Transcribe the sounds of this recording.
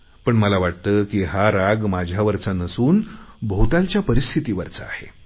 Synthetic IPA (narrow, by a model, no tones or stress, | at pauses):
pəɳməlaʋaʈ̚t̪əkiːɦaɾaɡmad͡ʑʱjaʋəɾt͡sanəsuːnbəɦut̪alt͡ɕjapəɾist̪ʰit̪iːʋəɾt͡saa̰hḛ